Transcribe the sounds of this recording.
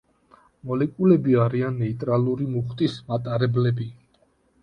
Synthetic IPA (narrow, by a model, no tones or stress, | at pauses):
mɔlɛkʼulɛbiaɾianːɛit̪ʼɾaluɾimuχt̪ʼismat̪ʼaɾɛblɛbi